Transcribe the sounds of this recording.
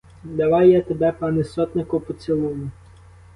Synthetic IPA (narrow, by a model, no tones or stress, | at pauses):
d̪ɐʋɑjjat̪ebɛpɑnɪsɔt̪nɪkʊpɔt͡sʲilˠumʊ